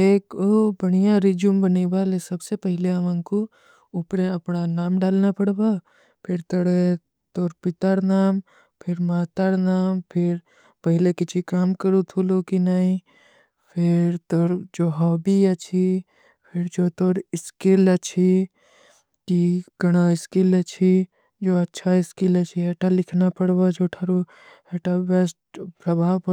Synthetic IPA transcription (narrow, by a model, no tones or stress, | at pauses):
eːkobɐɽ̃ijaɾid͡ʒumbɐniʋalesɐbsepəɦɪleɐʋãŋko | ʊpɽeɐpnanaːmɖaːlnapɐɽba | pʰɪɾt̪ɐɽe | t̪oːɾpɪt̪aɾnaːm | pʰɪɾmaːt̪aɾnaːmpʰɪɾ | pɐɦlekɪt͡ʃʰikaːmkəɾut̪ʰulokinaːĩ | pʰɪɾt̪oːɾd͡ʒoːɦɔːbiɐt͡ʃʰi | pʰɪɾd͡ʒoːt̪oːɾɪskilət͡ʃʰi | kiɡ̥ɐɽ̃aɪskilɐt͡ʃʰi | d͡ʒoːɐtːʃʰaɪskilət͡ʃʰiɦeːʈalɪkʰnapəɽbad͡ʒoːʈʰaɾu | eʈabesʈpɾɐbʱaːʋpə